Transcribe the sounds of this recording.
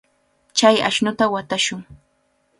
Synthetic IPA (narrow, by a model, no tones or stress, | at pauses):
t͡ʃaja̰ʃnʊt̪awat̪aʃʊŋ